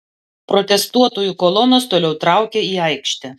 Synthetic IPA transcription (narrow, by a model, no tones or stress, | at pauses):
pɾɔt̪ʲɛst̪uɔt̪oːjukɔlˠɔnoːst̪oːlʲɛʊt̪ɾɑˑʊkʲeiːɑɪkʃʲt̪ʲɪ